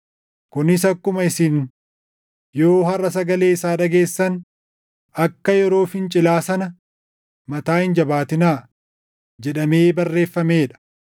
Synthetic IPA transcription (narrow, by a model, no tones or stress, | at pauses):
kʊnɪsɐkːʊmɐɪsiːn | joːhɐrːɐsɐɡɐle̞ːɪsaːᶑɐɡe̞ːsːɐn | ɐkːɐjɛɾo̞ːfɪnt͡ʃʼɪlaːsɐnɐ | mɐt̪aːhɪnd͡ʒɐbaːt̪ɪnaː | d͡ʒɛᶑɐmeːbɐrːe̞ːfːɐme̞ːᶑɐ̥